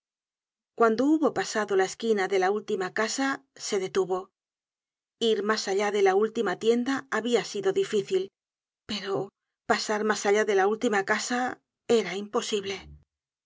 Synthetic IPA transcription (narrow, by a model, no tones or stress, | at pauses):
kwand̪o̞uβo̞pasaðo̞laeskinaðe̞lault̪imakasase̞ðe̞t̪uβo̞ | iɾmasaʎaðe̞lault̪imat̪je̞nd̪aːβiasiðo̞ðifiθil | pe̞ɾo̞ | pasaɾmasaʎaðe̞lault̪imakasa | e̞ɾaimpo̞siβle̞